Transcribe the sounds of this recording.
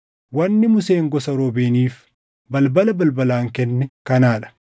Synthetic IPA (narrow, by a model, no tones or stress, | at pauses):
wɐnːɪmʊseːŋɡɔsɐɾobeːniːf | bɐlbɐlɐbɐlbɐlaːŋkɛnːɛkɐnaːᶑɐ̥